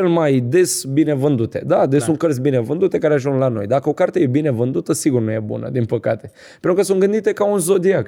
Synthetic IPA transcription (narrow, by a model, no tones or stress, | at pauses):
elmajd̪e̞sbine̞vɨnd̪ut̪e̞̰d̪ad̪esunt̪̚kəɾt̪sʲbine̞vɨnd̪ut̪e̞kaɾeaʒuŋɡlano̞̰jd̪akəo̞kart̪eje̞bine̞vɨnd̪ut̪əsiɡurnuje̞bṵnə̰d̪inpəkat̪e̞ | penɾukəsunɡɨnd̪it̪e̞kaunzo̞d̪iak